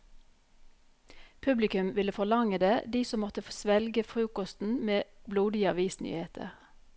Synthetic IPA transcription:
pʰʉblɪkʉmʋɪləfɔlɑŋəd̪eːd̪iːsɔmɔt̪əfsʋɛlɡəfʁʉːkɔst̪n̩meːbluːd̪ɪəɑʋiːsny̰ːheːt̪ʰə̰ʁ

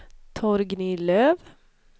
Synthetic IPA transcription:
t̪ʰɔɾɡniːløːʋ

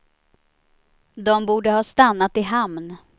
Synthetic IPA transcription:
d̪ɔmbuːɖəhɑːst̪anːat̪ɪɦamn

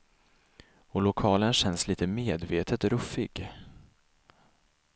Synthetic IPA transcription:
ɔlʊkʰɑːlənɕɛnːsliːt̪əmeːd̪veːt̪ʰət̪ɾɵfɪɡ

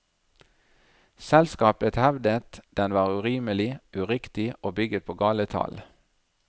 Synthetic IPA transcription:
sɛlskɑːpət̪hɛʋd̪ət̪d̪̥ɛnʋɑːʁʉʁiːməlɪʔʉʁɪkt̪ɪoːbʏɡət̪̚pʰoːɡɑːlət̪ʰɑ̰ːl

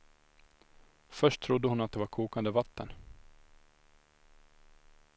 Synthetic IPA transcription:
fœʂʈtʰːɾʊd̪ːəhʊnat̪̚d̪ɛvaɾkʰuːkand̪əvat̪ːən

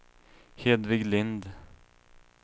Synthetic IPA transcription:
heːd̪vɪɡlɪnd̪

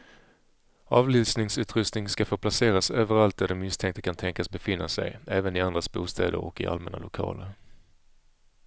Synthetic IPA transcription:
ɑːvlyːsnɪŋsʉ̟ːt̪ɾɵst̪nɪŋskafœɾpʰlaseːɾasøːvəɾalt̪̚d̪æɖɔmːɪst̪ʰɛŋkt̪ə̥kʰant̪ʰɛŋkasbɛfɪnːasɛ̰jɛːvənɪand̪ɾasbṵːst̪ʰɛːd̪ə̰ɾɔ̰kːɪ̰ʔa̰lmɛna̰lʊkʰɑ̰ːləɾ

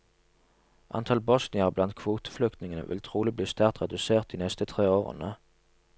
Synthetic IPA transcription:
ʔɑ̰nt̪ʰɑlbɔsnɪəʁblɑnt̪̚kʰʋuːt̪ə̥flʏkt̪nɪŋənə̰ʋʔɪ̰lt̪ʰʁuːlɪbliːst̪æʁt̪ʁɛd̪ʉseːʁt̪̚d̪iːnɛst̪ət̪ʰʁeːoːʁə̰nə

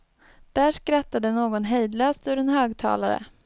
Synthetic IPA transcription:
d̪̥æːʂkɾat̪ːad̪ənoːɡɔnɦɛjd̪løːst̪ɵɾɛnɦøːɡt̪ʰɑ̰ːlaɾə̰

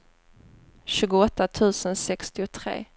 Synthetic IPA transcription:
ɕʉ̟ːɡʊɔt̪ːat̪ʰʉ̟ːsənsɛkst̪ɪʊt̪ʰɾḛː

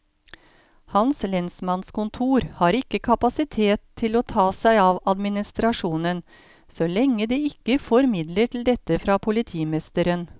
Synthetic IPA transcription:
hɑnslɛnsmɑnskʊnt̪ʰuːɾhɑːɾɪkːəkʰɑpɑsɪt̪ʰeːt̪ʰːɪloːt̪ʰɑːsæɪɑːʋɑd̪mɪnɪst̪ɾɑʂuːnən | sɔlɛŋːəd̪eːɪkːəfɔɾmɪd̪ləʈʰɪl̩d̪ɛt̪ːəfɾɑːpʰʊlɪt̪ʰiːmɛst̪əɾən

